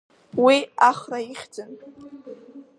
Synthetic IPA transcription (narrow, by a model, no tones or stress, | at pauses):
wiaχraiχʲd͡zɨn